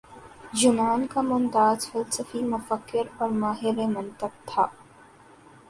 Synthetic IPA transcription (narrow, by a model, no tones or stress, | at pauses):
d͡ʒʊmaːnkamʊnt̪aːzfɐlsəfimʊfəkːɪɾɔːɾmaːɦɪɾemɐ̃nt̪əb̚t̪ʰaː